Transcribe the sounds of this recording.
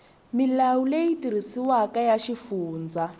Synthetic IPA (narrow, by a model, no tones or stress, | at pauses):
milawulejitiɾ̤isiwakajaʃifuːnd͡za